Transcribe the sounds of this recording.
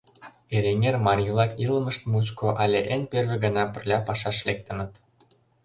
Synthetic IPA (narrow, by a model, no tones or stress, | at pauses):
eɾʲenʲermɑrʲjulˠɑkiləmə̆ʃt̪mut͡ɕkoʔɑlʲeʔenperβeɣɤnɑpə̆rlʲɑpɑʃɑʃlek̚t̪ə̆nə̆t̪